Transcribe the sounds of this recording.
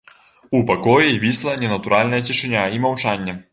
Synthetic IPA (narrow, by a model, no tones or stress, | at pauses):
upɐkɔjɛvʲislˠɐnʲɛnɐt̪uɾʔalʲnɐjɐtʲiʂɨnʲaimɐwt͡ʂanʲːɛ